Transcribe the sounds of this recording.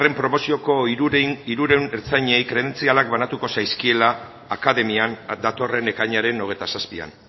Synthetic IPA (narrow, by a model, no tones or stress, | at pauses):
re̞mpɾo̞mo̞sio̞ko̞iɾuɾeneɾt͡saɲejkɾe̞ðe̞nt͡sialak̚banat̪uko̞sajskie̞laː | kaðe̞miand̪at̪o̞re̞ne̞kajɲaɾe̞no̞ɣ̞et̪asaspia̰n